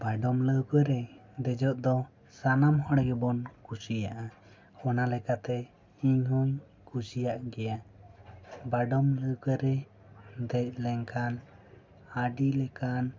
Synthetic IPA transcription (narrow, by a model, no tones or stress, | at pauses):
baɖɔmləwkəɾɛd̪ɛd͡ʒɔʔ̪̚d̪ɔ | sanamɦɔɽjɔbɔnkusijaʔa | ɔnalɛkat̪ɛ | iɲɦɔɲ | kusijaʔɡɛja | baɖɔmləwkəɾɛ | d̪ɛc̚ˀlɛŋkʰan | aɖilɛkan